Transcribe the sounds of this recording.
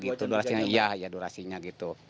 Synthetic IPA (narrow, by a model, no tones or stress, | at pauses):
ɡit̪uduɾasiɲaijahijaduɾasiɲaɡit̪u